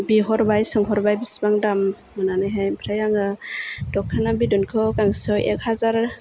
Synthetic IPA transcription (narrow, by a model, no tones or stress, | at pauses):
biɦɔɾbajsɔŋɦɔɾbajbisbaŋdamː | ananajɦajmpʰɾajaŋɯd̥ɔkʰːanabidɔnkʰɔkaŋsɔwʔḛk̚hazaɾ